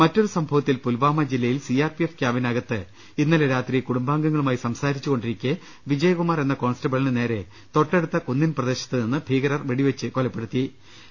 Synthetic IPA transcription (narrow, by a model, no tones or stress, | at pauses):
mɐtːo̞ɾusɐmbʱɐʋɐt̪ːilpulʋaːmɐd͡ʑilːɐjilsijaːrpiefkjaːʋinaːɣɐt̪ːɨ | inːɐleɾaːt̪rikuɽumbaːŋɡɐŋːɐɭumaːisɐmsaːɾit͡ɕːuɣo̞ɳɖiɾikʲːɨ | ʋid͡ʑɐjɐkumaːre̞nːɐko̞ːnstɐbɐɭinɨne̞ːɾe̞ | t̪o̞ʈːe̞ɽut̪ːɐkunːinprɐd̪e̞ːɕɐ̥t̪ːɨninːɨbʱiːɣɐɾɐrʋeɽiʋet͡ɕːɨkolɐpːe̞ɽut̪ːi